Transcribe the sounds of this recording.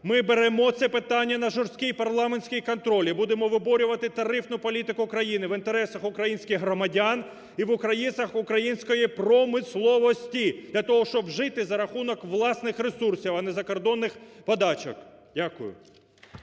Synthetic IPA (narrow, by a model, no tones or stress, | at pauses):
mɪbeɾɛmɔt̪sɛpɪt̪ɑnʲːɐnɐʒɔrsʲkʲijpɐrlˠɑmenʲsʲkʲijkɔnt̪ɾɔlʲibud̪emɔʋɪbɔɾʲʊʋɐt̪ɪt̪ɐɾɪfnʊpɔlʲit̪ɪkʊːkɾɐjinɪʋɪnt̪eɾɛsɐxʊkɾɐjinʲsʲkʲɪxɦɾɔmɐdʲan | iʋʊkɾɐjinsɐxʊkɾɐjinʲsʲkɔjipɾɔmɪslˠɔʋɔsʲtʲid̪̥lʲɐt̪ɔɦɔʃt͡ʃɔbʒɪt̪ɪzɐɾɐxunɔkʋlˠɑsnɪxresursʲiwɐnɛzɐkɔrd̪ɔnːɪxpɔd̪ɑt͡ʃɔ̰k | dʲakʊ̰jʊ̰